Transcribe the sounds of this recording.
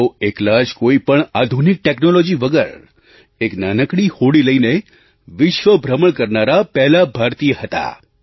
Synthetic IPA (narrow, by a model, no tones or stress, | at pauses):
oeklad͡ʒkoipəɳad̪ʱunik̚ʈeknolod͡ʒiʋəɡəɾ | eknanəkɽihoɽiləine | ʋɪʃʋəbʱɾəməɳkəɾnaɾapɛɦlabʱaɾt̪ijəhət̪a̰